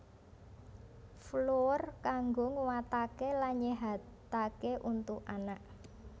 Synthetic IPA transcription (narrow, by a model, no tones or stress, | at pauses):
florkaŋɡoŋəwat̪akelanɲeɦat̪akeʔunt̪ukanaʔ